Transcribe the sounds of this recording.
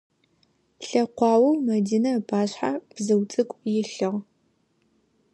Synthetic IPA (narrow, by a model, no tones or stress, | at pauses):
ɬɐqʷɑːwɐwmɐdiːnɐpʰaːɕħab̥zɐwt͡sʼɨkʷʼjɪɬɨʁ